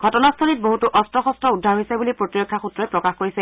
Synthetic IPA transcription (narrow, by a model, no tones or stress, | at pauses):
ɡʱɔtɔnastʰɔlit̚boɦutuʔɔstɔxɔstɔudʱːaɹɦojsɛbulipɹotiɹokʰːaxutɹɔɛpɹɔkaxkoɹisɛ